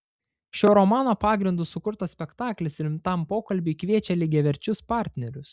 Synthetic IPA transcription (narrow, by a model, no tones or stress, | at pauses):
ʃʲoːɾɔmɑːnoːpɑːɡɾʲɪnd̪ʊsʊkʊɾt̪ɐsʲpʲɛkt̪ɑːklʲɪsɪlʲmt̪ɑˑmpoːkɐlʲbʲɪkʋʲiɛt͡ʃʲɛlʲɪɡʲɛʋʲɛɾʲt͡ʃʲʊspɑːɾʲt̪ʲnʲɛɾʲʊs